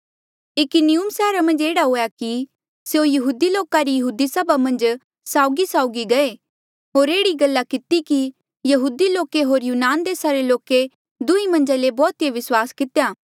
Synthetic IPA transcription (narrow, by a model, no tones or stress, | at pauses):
ɪkʊniʊmsɛːɾamɐ̃nd͡ʒeːɽaɦoːjaki | seõjɐɦuːd̪iloːkaɾijɐɦuːd̪isɐbʱamɐ̃nd͡ʒ | saːʊɡisaːʊɡiɡɐe | ɦoːɾeːɽiɡɐlːakɪt̪iki | jɐɦuːd̪iloːkeɦoːɾjuːnaːnd̪eːsaɾeloːke | d̪ʊimɐ̃nd͡ʒalebɔːt̪ijeʋɪswaːskɪt̪ejaː